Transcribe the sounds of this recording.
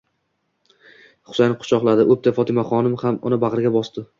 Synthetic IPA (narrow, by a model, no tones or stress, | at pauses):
χʊ̥sajnɪqʰʊ̥t͡ʃʰɒqlˠad̪ɪʔɵp̚t̪ʰafɒt̪ʰɪmaχɒnɪmhamʊ̰nɪbaʁɨɾɡʲabɒst̪ɪ